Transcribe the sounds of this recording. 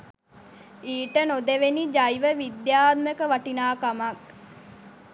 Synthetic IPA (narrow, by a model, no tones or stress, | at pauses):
iːʈənod̪eʋenid͡ʒajʋəʋid̪jaːt̪̚məkəʋaʈinaːkamak